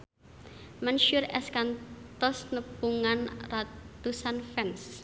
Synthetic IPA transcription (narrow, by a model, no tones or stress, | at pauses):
mɛnʃurɛskant̪ɔsnəpuŋanrat̪usanfɛns